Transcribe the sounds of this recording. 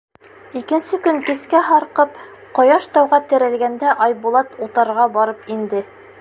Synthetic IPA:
ikɘ̆nsɘkɵŋkɘ̆skæɦɑɾqɤp | qŏjɑʃt̪ɑwʁɑt̪ɘ̆ɾæ̆lɡænd̪æʔɑjbulˠɑt̪ut̪ɑɾʁɑbɑɾɤpind̪ɘ

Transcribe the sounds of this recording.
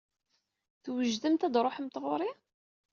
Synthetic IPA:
θwəʒd̪əmt̪æd̪ɾˤoħmt̪ʁʊɾˤi

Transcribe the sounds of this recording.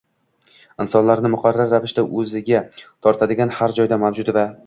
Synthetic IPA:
ɪnsɒnlaɾnɪmʊqʰɑɾːaɾːavɪʃd̪aʔɵzɪɡʲat̪ʰɒɾt̪ʰad̪ɪɡʲanhaɾd͡ʒɒjd̪amawd͡ʒʊd̪va

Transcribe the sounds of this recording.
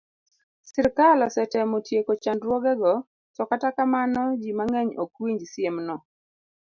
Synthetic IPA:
sɪɾkalɔsɛtɛmotjekot͡ʃandɾwoɡɛɡɔ | sɔkatakamanɔd͡ʒimaŋɛɲokwiɲd͡ʒsjemnɔ

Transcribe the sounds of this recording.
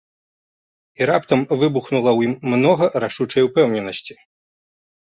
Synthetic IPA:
iɾap̚t̪ɐmvɨbuxnulˠɐwjimːnɔɣɐɾaʂut͡ʂɐjwpɛwnʲɛnɐsʲt͡sʲi

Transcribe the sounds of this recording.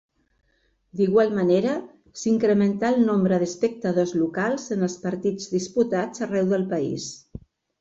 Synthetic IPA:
d̪iɣwalˠməneɾə | siŋkɾəmənt̪aəlˠnombɾəðəspək̚t̪əðozlukalˠzənəlˠspəɾt̪id͡zðisput̪ad͡zərɛwðəlˠpəḭs

